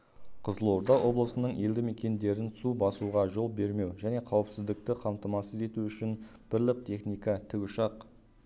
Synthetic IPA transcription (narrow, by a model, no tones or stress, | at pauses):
qʰəzəlˠo̞ɾd̪ɑwʔo̞blˠəsənəɴe̞ld̪ɪme̞kʲe̞nd̪e̞ɾɪnsubɑsuʁɑʒo̞lˠbe̞ɾme̞wʒæne̞qʰɑwəpsɪzd̪ɪk̚t̪ɪqʰɑmt̪əmɑsəze̞t̪uʏʃɪnb̥ɪɾlɪk̚t̪ʰe̞χnijkɑt̪ʰɪɡʊʃɑq